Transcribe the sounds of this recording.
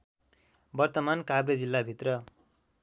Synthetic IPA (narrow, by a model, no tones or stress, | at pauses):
bʌrt̪ʌmankabɾed͡zilːabʱit̪rʌ